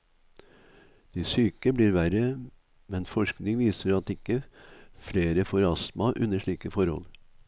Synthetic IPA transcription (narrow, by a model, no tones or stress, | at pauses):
d̪̥isyːkəbliːɾʋæɾə | mɛnfɔʂknɪŋʋiːsəɾɑt̪ɪkːəfleːɾəfʊɾɑsmɑʔʉ̰nəʂɭiːkəfɔɾhɔ̰l